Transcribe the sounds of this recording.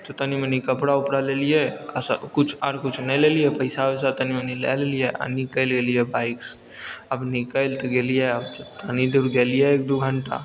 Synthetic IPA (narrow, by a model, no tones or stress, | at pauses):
t̪ot̪ənimənikəpɽaʊpɽaleːlijekaskʊt͡ʃʰəɾkʊt͡ʃʰnɐlelijepəɪsawesat̪ənimənilḛlelijeʔə̰nikəlɡeːlijebaːɪks | əbnikəlt̪oɡelijeəb̚t̪ənid̪uɾɡeːlijeeːk̚d̪uɡʱəɳʈa̰